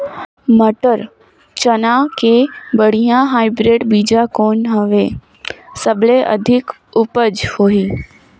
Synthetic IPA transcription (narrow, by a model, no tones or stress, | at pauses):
məʈəɾ | t͡ɕənakʰeːbəɽ̤ijãɦaːɪbɾeːɖbiːd͡ʑakoːnɦəʋeː | səbʱleʔə̰d̪ʱɪk | ʊpəd͡ʑhoːiː